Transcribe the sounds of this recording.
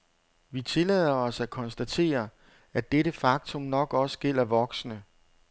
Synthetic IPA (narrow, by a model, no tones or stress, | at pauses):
ʋit͡sʰe̝lɛð̰ˠɐɒ̽sækʰɒ̽nsd̥æt͡sʰe̝̰ːɐ | æd̥eɾəfɑ̈ɡ̥̚t͡sʰɔ̽mnɒ̽ɡ̥ɒ̽sə̥ɡ̥el̰ɐʋɒ̽ɡ̥snə